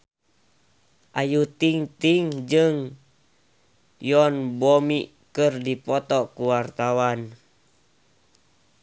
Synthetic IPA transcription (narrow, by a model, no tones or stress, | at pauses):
ʔajut̪iŋt̪iŋd͡ʒɨŋ | jɔnbɔmi | kɨrdipɔt̪ɔkuwart̪awan